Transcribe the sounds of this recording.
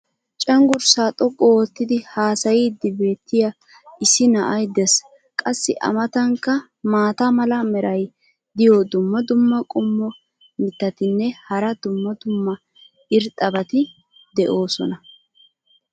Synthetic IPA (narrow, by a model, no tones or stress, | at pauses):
t͡ʃʼɐŋɡʊɾsaːt̪ʼɔkʼːɔwɔt̪ːɪd̪ɪhaːsɐjid̪ːɪbe̞ːt̪ːɪja | ɪsɪnɐʔɐjd̪ɛs | kʼɐsːɪʔɐ̰mɐt̪ɐŋkːɐ | maːt̪ɐmɐlɐmɛɾɐj | d̪ɪjoːd̪ʊmːɐd̪ʊmːɐkʼʊmːɔ | mɪt̪ːɐt̪ɪnːɛhɐɾɐd̪ʊmːɐd̪ʊmːɐ | ɪɾt̪ʼːɐbɐt̪ɪ | d̪ɛʔo̞ːsɔ̰nɐ